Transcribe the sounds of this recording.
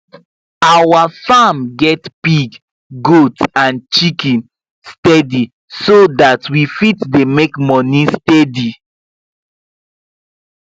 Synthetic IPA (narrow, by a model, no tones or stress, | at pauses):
awafamɡɛtpiɡ | ɡotãnt͡ʃikɛ̃n | stɛdi | sodatwifitdemekmɔnĩstɛdi